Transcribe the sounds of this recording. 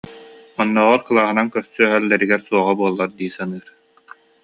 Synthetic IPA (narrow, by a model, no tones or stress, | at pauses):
ɔnːɔːʁɔɾkɯlˠaːɦɯnaŋkœɾsyœɦœlːɛɾiɡɛɾsuɔʁabuɔlˠːaɾd̪iːsanɯːɾ